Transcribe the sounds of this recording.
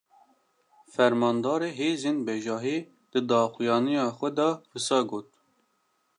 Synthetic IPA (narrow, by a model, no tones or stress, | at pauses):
fɛɾmɑːnd̪ɑːɾeːɦeːzeːnbɛʒɑːɦiː | d̪̥ɨd̪ɑːxujɑːnijɑːxʷɛd̪ɑrɨsɑːɡoːt̪̚